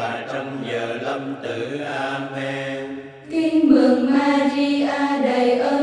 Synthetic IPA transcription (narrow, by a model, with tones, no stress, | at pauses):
t͡ɕɔ˧wŋ͡mɲəː˨˩lə˧ŋ͡mt̪ɨ˨˧˩ʔaː˧me˧ | t̪i˧nmɨ˨˩əŋmaː˧zi˧ʔaː˧ɗə˨˩jʔəː˧